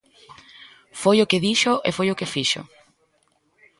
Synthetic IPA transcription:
fojokɪðiʃoʔefojokefiʃo̰

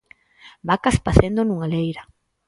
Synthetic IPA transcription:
bakaspaθend̪onũŋalejɾa

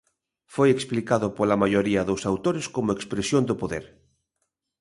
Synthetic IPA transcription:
fojeksplikaðʊpolamajoɾiaðosawt̪oɾeskomoekspɾesjond̪opoðeɾ

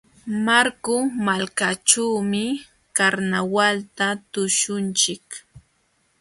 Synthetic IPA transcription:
maɾkʊmalkat͡ʃuwmɪ | kaɾnawalt̪at̪ʊʃʊnt͡ʃɪk

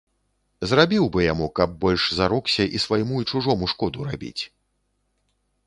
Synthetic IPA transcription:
zrabʲiwbɨjamukɐb̚ːɔlʲʂzaɾɔksʲɐʔisvajmuit͡ʂuʐɔmuʂkɔd̪uɾabʲḭt͡sʲ

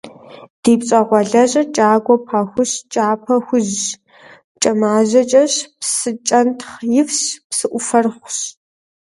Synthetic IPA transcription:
d̥iːpɕʼɐʁʷɔɮɐʑɐt͡ʃʼaːɡʷɔpʰɐxʷʊɕt͡ʃʼaːpʰɐxʷʊʑ | t͡ʃʼɐmaːʑɐt͡ʃʼɐɕpsɨt͡ʃʼɐntʰχjɪfɕpsɨʔʷʊfɐrχʷɕ

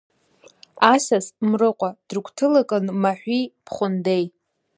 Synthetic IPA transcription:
asasmrɨqʷʼad̥rkʷtʰɨlakʼɨnmaħᶣʷipʰχʷʊndej

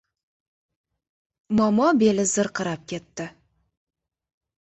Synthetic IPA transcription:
mɑmɑbe̞lɪzəɾqʰəɾɑp̚kʲʰe̞t̪ːɪ

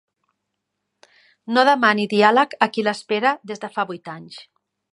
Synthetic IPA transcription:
noðəmaniðialəkəkiləspeɾəðezðəfaβujt̪aɲs

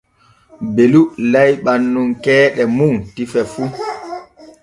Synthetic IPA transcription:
belulajɓanːuŋkɛːɗɛmuntifɛfu

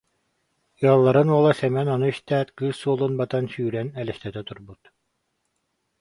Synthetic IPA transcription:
jɔlˠːaɾɯnuɔlˠasɛmɛnɔnuiʃt̪æːt̪kɯːsːuɔlˠunbat̪ansyːɾɛnɛlʲɛʃt̪ɛt̪ɛt̪uɾbut̪

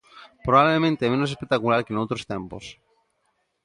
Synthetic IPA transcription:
pɾoβaβlemẽnt̪emenosespek̚t̪akulaɾkenowt̪ɾost̪ẽmpo̰s

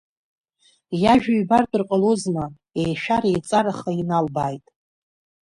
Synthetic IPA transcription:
jaʒᶣaɥbartʼɨrqʼalozna | ejʃᶣaɾajt͡sʼaɾaχainalbaːjtʼ

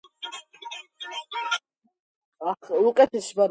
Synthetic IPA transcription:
aχlukʼɛt̪ʰisbaɾ

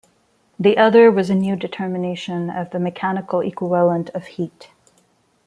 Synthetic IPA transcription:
ðiʔʌðə˞wʌzɨnjʉdɨtʰɜ˞mɨneɪʃɨ̃nʌ̰vðɨmɨkʰænɨkl̩ˠḭkwəvʌlˠə̃ntʰʌv̥hit

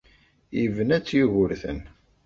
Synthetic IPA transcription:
jivənæt͡sːjuʝʊɾθə̰n

